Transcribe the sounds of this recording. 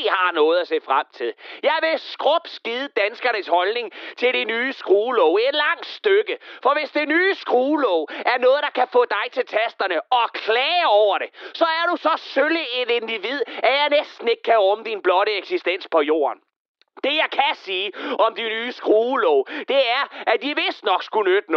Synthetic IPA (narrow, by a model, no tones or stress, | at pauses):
hɑ̈nɔ̽ːð̞̩ˠæsḛːfʁam̰t͡sʰe̝lˠjɑ̈ɪʋe̝sɡ̥ʁɔ̽b̥sɡ̥iðˠəd̥ænsɡ̥ɐnəshɒ̽lne̝ŋt͡sʰe̝ld̥inyːsɡ̥ʁuːlɔʊ̰ed̥lɑ̈ŋ̰d̥sd̥øɡ̥əfɒ̽ʋe̝sd̥enyːsɡ̥ʁuːlɔʊ̰æɐnɔ̽ːð̩ˠd̥ɑ̈kʰæfɔ̰̽ːd̥ɑ̈ɪt͡sʰe̝lt͡sʰesd̥ɐnəɒ̽kʰlɛːɒʊɐɾ̥e̝sɒ̽æɐɾ̥usɒ̽søləe̝de̝nd̥iʋið̞̰ˠæɐjɑ̈ɪnesd̥n̩e̝ɡ̥əkʰæɔmd̥inb̥lɒ̽ɾəeɡ̥sisd̥en̰spʰɒ̽jo̝̰ːɐ̰n | d̥e̝jɑ̈ɪkʰæsiːɒ̽md̥inyːsɡ̥ʁuːlɔʊd̥e̝æɐʔæd̥iʋe̝sd̥nɒ̽ɡ̥sɡ̥unød̥ən